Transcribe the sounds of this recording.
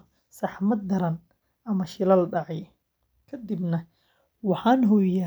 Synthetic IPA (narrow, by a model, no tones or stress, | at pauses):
sɑħmɐd̪ɐɾɐn | ɐmɐʃɪlɐlɖɑʕɑj | kʰɐd̪ɪbnɐ | wɑħɑːnɦɔːjɐ